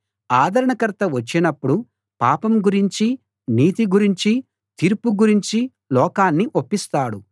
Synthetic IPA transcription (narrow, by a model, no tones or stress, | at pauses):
aːd̪ʱɐɾɐɳɐkɐɾt̪ɐʋɐt͡ʃːinɐpːuɽu | paːpɐmɡuɾiɲt͡ʃi | niːt̪iɡuɾiɲt͡ʃi | t̪iɾpuɡuɾiɲt͡ʃi | lɔːkaːnːiʔopːist̪aːɽu